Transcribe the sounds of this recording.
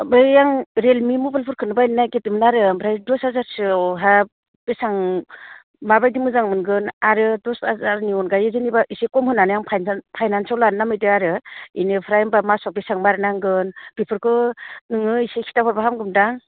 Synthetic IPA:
bɯjjaŋɾelmimubalpʰɯɾkʰɯnɯbajnnaketɯmnaɾɯmpʰɾajdɔshazaɾsɯwɦa | b̥esaŋ | mabajdimɯzaŋmɯnɡɯnaɾɯdɔsazaɾniɔnɡajezɯnibaʔisekɔmhɯnanɯjaŋpʰajnpʰajnansawlannːamɯjtɯaɾɯḭnɯpʰɾajmbamasapisaŋbaɾɯnaŋɡɯnpipʰɯɾkʰɯnɯŋɯisekʰi̥tapʰɔɾbaɦamɡɯmdaŋ

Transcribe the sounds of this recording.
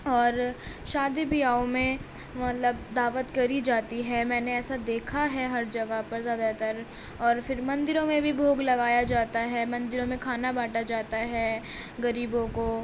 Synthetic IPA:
ɔːɾʃaːd̪ibɪjaːõmẽ | mɐt̪ləb̚d̪aːʋət̪kɐɾid͡ʒaːt̪iɦɛmɛ̃ːneɛːsad̪eːkʰaɦɛɦɐɾd͡ʒɐɡəɦpɐɾzjaːd̪at̪ɐɾ | ɔːɾfɪɾmɐ̃nd̪ɪɾõmẽbʱibʱoːɡlɐɡaːjad͡ʒaːt̪aɦɛmɐ̃nd̪ɪɾõmẽkʰaːnabaːʈad͡ʒaːt̪aɦɛːɡɐɾiːbõko

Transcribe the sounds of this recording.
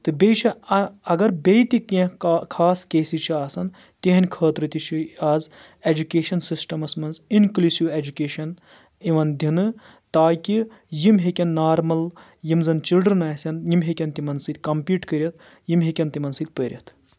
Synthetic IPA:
t̪ɨbʲejt͡ʃʰiɐɡɐɾbʲejt̪ikʲːẽkʰaːskeːsit͡ʃʰiaːsɐn | t̪iɦɐnʲkʰəːt̪ɾɨt̪it͡ʃʰiaːz | ed͡ʒukʲeːʃɐnsisʈɐmɐsmɐnzinkluːsiʋed͡ʒukʲeːʃɐn | iʋɐnd̪ʲʱinɨ | t̪aːkʲi | jimɦekʲɐnːaːɾmɐl | jimzɐnt͡ʃilɖɾɐnaːsʲɐnjimɦekʲɐnt̪imɐnsɨt̪̚ʲkɐmpiːʈkɐɾʲiɐt̪ | jimɦekʲɐnt̪imɐnsɨt̪̚ʲpəɾʲjɐ̰t̪ʰ

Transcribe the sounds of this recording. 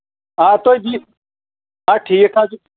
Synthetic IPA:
ãːt̪oːid̪iː | ãːʈʰiːkʰãːd͡ʒu

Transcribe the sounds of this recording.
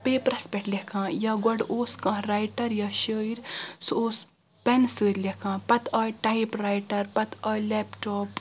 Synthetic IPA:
peːpɾɐspʲeʈlʲɐkʰãːjaɡɐɖoːskãːɾajʈɐɾjaːʃəːiɾsoːs | pɛnsəːɾlʲɐkʰãːpɐt̪ʰaːʈaipɾaːiʈɐɾpɐt̪aːlɛːpʈoːp

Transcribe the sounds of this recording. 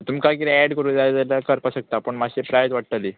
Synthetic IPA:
t̪umkajkiɾeɛɽkəɾuːd̪alat̪alakəɾpaɕək̚t̪apəɳmaɕepɾajt̪ʋaʈ̚t̪ali

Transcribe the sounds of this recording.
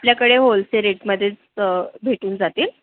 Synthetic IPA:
apljakəɽeɦolseɾeʈməd̪ʱːjet͡s | bʱeʈuːnd͡zat̪iːl

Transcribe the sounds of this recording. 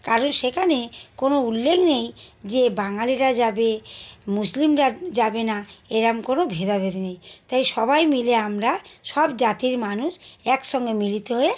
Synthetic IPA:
kaɾonʃekʰanekonoulːekʰnejd͡ʑebaŋaliɾad͡ʑabemuslimɾad͡ʑabenaeɾamkonobʱed̪abʱed̪nejt̪ajʃɔbajmileamɾaʃɔbd͡ʑat̪iɾmanuʃɛkʃɔŋɡemilit̪eɦoe

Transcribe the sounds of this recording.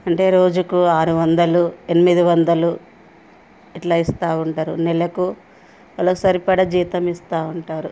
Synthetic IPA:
ɐɳʈe̞ːɾo̞ːd͡ʒukuaːɾuʋɐnd̪ɐluenimid̪iʋɐnd̪ɐlu | iʈlaːist̪aːuɳʈaːɾṵnɛlɐku | ʋɐloːsɐːɾipɐɽɐd͡ʒiːt̪ɐmist̪aːuɳʈaːɾu

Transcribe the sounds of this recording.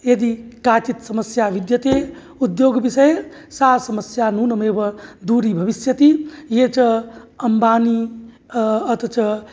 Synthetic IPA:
jed̪ikaːt͡ʃit̪sɐməsjaʋid̪jɐt̪e | ud̪joːɡbisɐj | saːsɐməsjanuːnɐmeːbɐd̪uːɾibʱɐʋisjɐt̪ijet͡ʃɐɐmbaːni | ɐt̪ɐt͡ʃɐ

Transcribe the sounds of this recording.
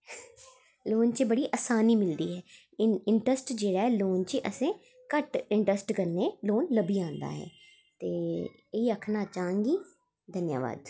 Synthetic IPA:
loːnt͡ʃebəɽiːʔaːsaːniːmɪld̪iːɦɛː | ɪɳʈɾəsʈd͡ʒeːɽaːɛːloːnt͡ʃiʔəsẽː | kəʈɪɳʈɾəsʈkəɾneːloːnləbiːãːnd̪a̰ːɦɛ̰ː | t̪eː | iːəkʰnaːt͡ʃaːə̃ŋɡiː | d̪ʱənja̰ːʋa̰ːd̪

